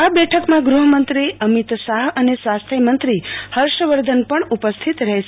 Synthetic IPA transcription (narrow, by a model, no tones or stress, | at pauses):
abɛʈʰəkmãɡɾuɦəmənt̪ɾiəmit̪saɦənesʋast̪ʰemənt̪ɾihəɾʃəʋəɾd̪ʱənpəɳupəst̪ʰit̪ɾəɦʃ